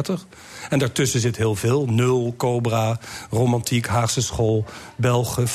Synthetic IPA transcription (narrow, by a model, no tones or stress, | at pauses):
təχ | ɛndaːɹtʏsənzɪtɦɪːlˠvɪːlˠnɵlˠkowbrarowmɑntikɦaːχsəsχolˠ | bɛlˠχə